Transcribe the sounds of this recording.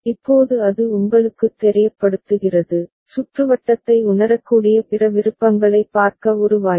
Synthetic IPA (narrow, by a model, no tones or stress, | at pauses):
ɪpːoːðɯɐðɯʊŋɡɐɭɯkːɯt̪ːɛɾɪjɐpːɐɽɯt̪ːɯɣɪrɐðɯ | sʊʈrɯʋɐʈːɐt̪ːɐɪʊnɐɾɐkːuːɽɪjɐpɪrɐʋɪɾɯpːɐŋɡɐɭɐɪpːaːɾkɐɔɾɯʋaː